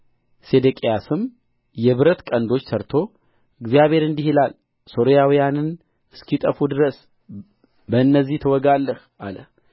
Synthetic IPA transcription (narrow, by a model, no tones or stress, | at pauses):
se̞d̪əkʼijasɨm | jɛβɨɾət̪kʼənd̪o̞t͡ʃːsʰəɾt̪ʰo̞ | ɨɡzijaβʱhe̞ɾɨnd̪ihilal | so̞ɾijawijanɨn | ʔɨskʰit̪ʼəfud̪ɨɾəs | bəɨnːəzːiht̪ʰəwɔɡalːəh | ʔa̰lə